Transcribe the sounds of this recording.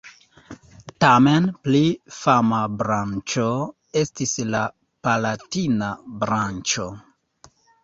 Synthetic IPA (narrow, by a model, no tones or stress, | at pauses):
tamenplifamabɾant͡ʃo | e̞stisla | palatinabɾant͡ʃo̞